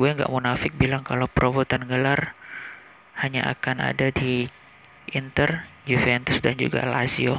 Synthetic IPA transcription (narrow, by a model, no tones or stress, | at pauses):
ɡuaŋɡa̰ʔmunafɪk̚bilaŋkalowpɾʔovot̪anɡəlar | haɲa̰ʔa̰kana̰dadi | int̪ərjufɛnt̪ʊsdand͡ʒṵɡa̰la̰sio